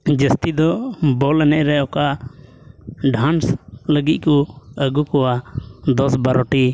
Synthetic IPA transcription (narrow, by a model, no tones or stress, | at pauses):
d͡ʒəst̪id̪ɔbɔlɛnɛʔɾɛɔkaʔ | ɖʱansləɡit̪̚kɔəɡukɔwad̪ɔsbaɾɔʈi